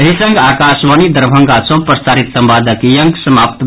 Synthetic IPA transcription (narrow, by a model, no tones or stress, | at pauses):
ɦisə̃ŋɡaːkaːʃʋanid̪əɾbʱəŋɡasʰopɾəst̪aːɾit̪səmbaːd̪ʱəkjəŋɡsəmaːpt̪